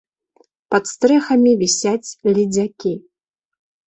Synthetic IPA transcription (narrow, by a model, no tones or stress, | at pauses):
pɐt̪st̪ɾɛxɐmʲivʲisʲat͡sʲlʲid͡zʲakʲi